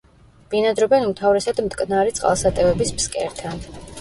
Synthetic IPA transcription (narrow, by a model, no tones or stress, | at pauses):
b̥inad̪ɾɔbɛnumt̪ʰavɾɛsad̪mt̪ʼkʼnaɾit̪sʼqʼa̰lˠsat̪ʼɛvɛbispskʼɛ̰ɾt̪ʰan